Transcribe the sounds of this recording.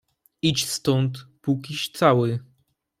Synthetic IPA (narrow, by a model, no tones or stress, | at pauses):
it͡ɕst̪ɔnt̪pukʲiɕt̪sawɘ